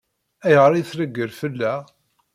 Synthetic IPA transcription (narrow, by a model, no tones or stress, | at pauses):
æjʁɾˤijθɾəɡːəɾfəlːæ